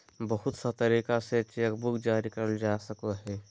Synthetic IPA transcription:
bɐɦʊt̪sɐt̪ɐɾiːkaset͡ʃekbʊkd͡ʒaːɾikɐɾəld͡ʒaːsɐkoɦɛː

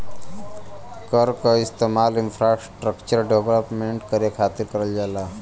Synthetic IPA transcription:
kəɾkaist̪emalinfʰɾasʈɾəkt͡ʃəɾɖeʋləpmeɳʈkəɾjekʰat̪iɾkəɾəld͡ʒala

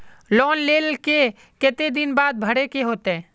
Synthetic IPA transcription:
lɔːnleːlke | ket̪ed̪ɪnbaːd̪̚bʱəɽekeɦoːt̪eɛ̃

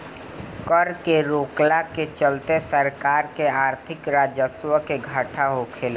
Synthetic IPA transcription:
kəɾkeɾoːklaket͡ʃəlt̪esəɾkaːɾkeaːɾt̪ʰɪkɾaːd͡ʒəswəkeɡʱaːʈʰaɦokʰeːla

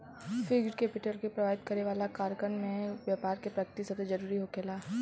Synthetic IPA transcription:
fɪɡɖkepɪʈəlkepɾɐʋaːɪd̪kɐɾeʋaːlakaːɾkɾəɳɖmẽʋjaːpaːɾkepɾɐkt̪isɐt̪ed͡ʒɐɾuːɾiɦokelaː

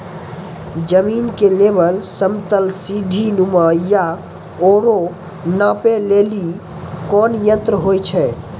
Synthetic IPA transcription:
d͡ʒəminkelebəlsəmt̪əlsid̪ʱinuməja | oɾo | nãpeleli | kɔnjə̃nt̪ɾəɦojt͡ʃʰɛ

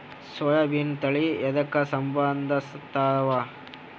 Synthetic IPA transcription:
sʋɔjɐbint̪ɐɭiɛd̪ɐkːɐsɐmbɐnd̪ʱɐst̪ːaːdɐʋa

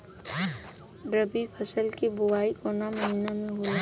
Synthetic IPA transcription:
ɖɾəbipʰəsəlkibʊwaːikoːnaməɦiːnamẽɦoa

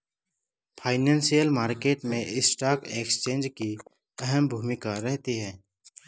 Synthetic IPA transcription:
pʰaːɪnãːnsijəlmaːɾkeːʈmẽʔɪsʈaːkeːkst͡ʃẽːnd͡ʒki | ɛɦɛmbʱuːmɪkaɾɛɦt̪iɦɛː

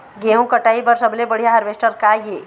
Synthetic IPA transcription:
ɡeːɦõkɐʈaːibəɾsɐblebɐɽijaɦɐɾʋeːsʈəɾkaɦeː

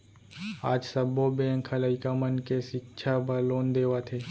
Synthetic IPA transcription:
aːd͡ʒsəbobẽːŋkʰələɪkamənkeʃɪk̚ʃʰabəloːnd̪eːʋat̪ʰeː

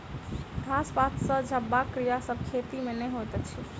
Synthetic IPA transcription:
ɡʱasbat̪səd͡ʒʱəbakɾijasəb̚kʰet̪imenəjɦojt̪ɛt͡ʃʰi

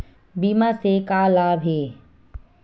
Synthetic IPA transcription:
biːmasekaːlaːbʱɦeː

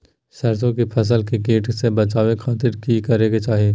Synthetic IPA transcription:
sɐɾsõkepʰɐs̬əlkikeːʈsebɐt͡ʃaːʋexʰaːt̪ɪɾkikɐɾeːɡet͡ʃaːɦieː

